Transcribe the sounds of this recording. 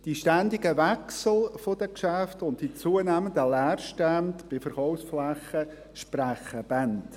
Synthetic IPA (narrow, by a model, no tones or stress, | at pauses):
d̥iʃtænd̪ɪɡəʋɛksl̩fod̥̪əkʃæftʊntːit͡suənæːməndəlæːɾʃtæntb̥ɪfəɾχɔʊfsflæχə | ʃpɾæχəb̥ænt